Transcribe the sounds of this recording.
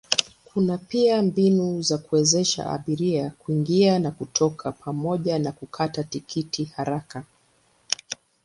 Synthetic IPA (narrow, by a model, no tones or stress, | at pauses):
kʰunapiambinuzakuɛzɛʃa̰ʔa̰ɓiɾiakuiŋɡianakutʰɔkʰapʰamɔʄanakukʰatatikʰitʰihaɾaka